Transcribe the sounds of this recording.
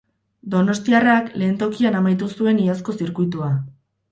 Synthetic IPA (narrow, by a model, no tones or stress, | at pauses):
d̪o̞no̞st̪iarakle̞ːnt̪o̞kianamajt̪usue̞niasko̞siɾkujt̪̬ua